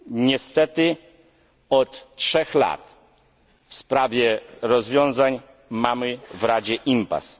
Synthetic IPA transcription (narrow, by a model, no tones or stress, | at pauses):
ɲɛst̪ɛt̪ɘ | ɔt̪ːʂɛxla̰t̪ | fspɾavʲjɛɾɔzvʲjɔ̃ñzaɲ | mamɘvɾad͡ʑɛʔimpa̰s